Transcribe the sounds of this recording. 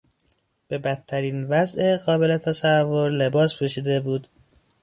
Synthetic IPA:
b̥e̞bæt̪ʰːæɾiːnvæzʔeɣɒːbe̞le̞t̪ʰæsævːoɾle̞bɒːspʰuʃiːd̪e̞buːd̪

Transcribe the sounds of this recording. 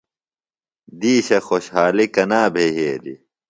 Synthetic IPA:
d̪iːɕɐxoɕhaːlikɐnaːbʱeɦeːd̪ḭ

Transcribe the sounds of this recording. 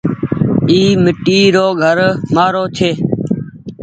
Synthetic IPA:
iːmɪʈiːɾoːɡʱəɾmaːɾoːt͡ʃʰeː

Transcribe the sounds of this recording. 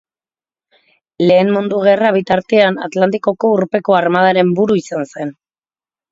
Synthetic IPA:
le̞ːmmund̪uɣ̞e̞raβ̞it̪aɾt̪e̞ana̰t̪lant̪iko̞ko̞uɾpe̞koarmað̞aɾe̞mbuɾuisanse̞n

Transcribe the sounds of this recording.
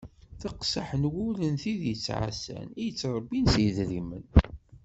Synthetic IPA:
θɑqsaħənwʊlənθiðjət͡sːʕa̰sæ̰nijət͡sːɾˤəbːinsjəðɾimə̰n

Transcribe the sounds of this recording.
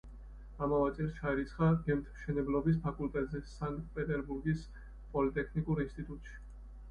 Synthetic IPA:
amavat̪sʼɛɾsʃaɾit̪sʰχaɡɛmt̪ʰmʃɛnɛblɔbis̬pʰakʼult̪ʼɛt̪ʼzɛsaŋk̚t̪ʼpʼɛt̪ʼɛɾbuɾɡis | pʼɔlit̪ʼɛkʰnikʼuɾinst̪ʼit̪ʼut̪ʼʃi̥

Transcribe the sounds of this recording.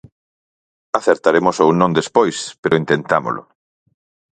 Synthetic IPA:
aθeɾt̪aɾemʊsownõnd̪espojspeɾʔʊint̪ent̪amo̰lʔʊ̰

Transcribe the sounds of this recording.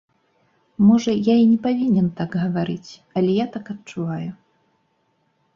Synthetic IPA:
mɔʐɐjainʲɛpavʲinʲɛnt̪aɡɣɐvaɾɨt͡sʲɐlʲɛjat̪akɐtt͡ʂuvaju

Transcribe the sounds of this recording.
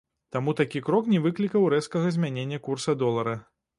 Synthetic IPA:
t̪amut̪akʲikɾɔknʲɛvɨklʲikɐwɾɛskɐɣɐzʲmʲanʲenʲːɐkursɐd̪ɔlˠɐɾɐ

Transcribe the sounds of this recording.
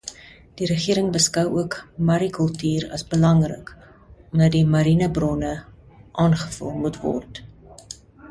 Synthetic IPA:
d̥iɾəχiəɾəŋbəskɐwuəkmɐɾikəlˠtyːɾɐ̰sbəlɐŋrə̰k | ɔmdɐtdimɐɾinəbrɔnə | ʔɑːnχə̥fə̰lˠmutvɔ̰rt

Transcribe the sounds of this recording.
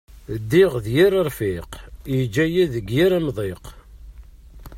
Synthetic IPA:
d̪ːiʁðjiɾəɾˤfiqjid͡ʒːæjæðəɡjiɾæmðˤeq

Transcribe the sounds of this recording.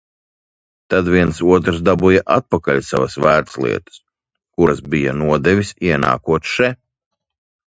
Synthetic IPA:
t̪ad̪vʲiɛnsuɔt̪ɾsd̪abujaʔat̪̚pakalʲsa̰vasvæːɾt̪slˠḭɛt̪ə̥s | kuɾasbija̰nuɔd̪ɛvʲisʲiɛna̰ːkuɔt̪ʃɛ

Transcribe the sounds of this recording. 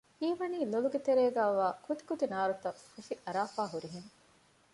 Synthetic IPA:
hiːʋɐniːloluɡet̪eɾeːɡæːʋaːkut̪i̥kut̪inaːɾut̪ɐɐʃiʔɐɾaːfaːɦuɾiɦeŋ

